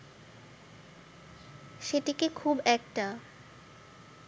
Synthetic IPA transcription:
ʃeʈikekʰubɛk̚ʈa

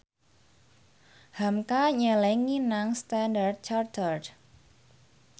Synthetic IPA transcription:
hamkaɲɛlɛŋːinaŋst̪andard̪̚t͡ʃart̪ərd

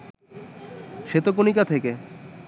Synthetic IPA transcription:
ʃet̪okonikat̪ʰeke

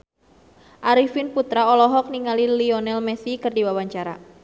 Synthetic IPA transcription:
ʔaɾifinput̪ɾaɔlɔɦɔk̚niŋaliliɔnɛlmɛsikɨrdiwawaɲt͡ʃaɾa̰

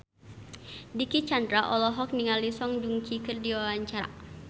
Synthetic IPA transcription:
dikit͡ʃandɾaʔɔlɔɦɔk̚niŋalisɔŋd͡ʒuŋt͡ʃikɨrdiwawaɲt͡ʃa

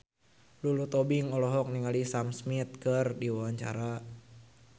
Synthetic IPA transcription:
lulut̪ɔbiŋɔlɔɦɔk̚niŋalisamsmit̪̚kɨrdiwawaɲt͡ʃa̰ɾa

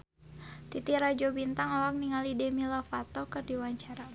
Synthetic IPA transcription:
t̪it̪iɾad͡ʒɔbint̪aŋɔlak̚niŋalidɛmilafat̪ɔkɨrdiwaɲt͡ʃaɾa

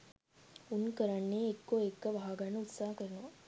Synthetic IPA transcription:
unkəɾɐnːeːekːoekːɐʋɐɦaɡɐɳːɐut̪saːɦɐkəɾɐnuʋɐ

